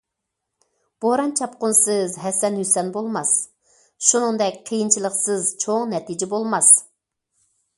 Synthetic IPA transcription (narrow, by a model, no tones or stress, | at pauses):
b̥ohɾɑnt͡ʃʰɑp̚qʊnsɨzɦɛsɛnhysɛnbolˠmɑs | ʃunɨŋd̪ɛkʲqʰijint͡ʃʰilˠəχsɨzt͡ʃʰoŋnɛt̪id͡ʒɪbolˠmɑs